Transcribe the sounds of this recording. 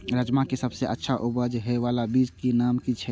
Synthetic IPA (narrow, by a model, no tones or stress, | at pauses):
ɾəd͡ʒmãkesəbseʔətːʃʰaʔubəd͡ʒɦɛʋalabid͡ʒkenaːmkit͡ʃʰɛ